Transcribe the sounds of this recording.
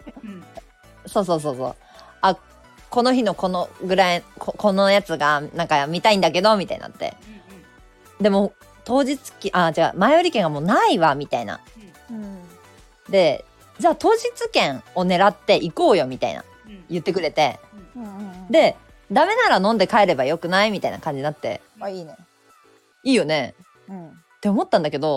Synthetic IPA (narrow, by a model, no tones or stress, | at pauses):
so̞ːs̬o̞ːs̬o̞ːso̞̰ː | a | ko̞no̞çino̞ko̞noɡɯ̟ɾaikoko̞no̞jat͡sɨɡanãŋkamʲit̪aĩnd̪ake̞d̪o̞mʲit̪a̰ḭna̰t̪ːe̞̰ | d̪e̞mo̞ | t̪o̞ːʑit͡sɨ̥kʲʔat͡ɕaka̰maeoɾʲikẽ̞ŋɡamo̞ːnaiβamʲit̪aina̰ | d̪e̞ | d͡ʑaːt̪o̞ːʑit͡sɨkẽ̞ŋo̞ne̞ɾat̪ːe̞ʔiko̞ːjo̞mʲit̪a̰ḭna̰ | jɯ̟t̪ːe̞kɯ̟ɾe̞t̪e̞ | d̪e̞ | d̪ame̞naɾanõ̞nd̪ekaeɾe̞bajo̞kɯ̟naimʲit̪ainakãɲ̟d͡ʑinat̪ːe̞̰ | i | iːjo̞ne̞ | t̪ːeo̞mo̞t̪ːãnd̪ake̞d̪o̞